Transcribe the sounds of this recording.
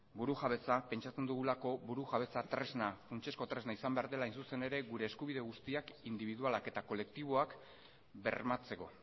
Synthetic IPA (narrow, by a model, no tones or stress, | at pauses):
buɾuʝaβe̞t͡sape̞nt͡ʃat͡se̞nd̪uɣulako̞buɾuʝaβ̞e̞t͡sat̪ɾe̞znafunt͡ʃe̞sko̞t̪ɾe̞znaisambe̞aɾðe̞laːjnsuse̞ne̞ɾe̞ɣuɾe̞ːskuβ̞iðeɣ̞ust̪iakind̪iβ̞iðualake̞t̪ako̞le̞k̚t̪iβ̞o̞ak | be̞̰ɾmat͡se̞ko̞̰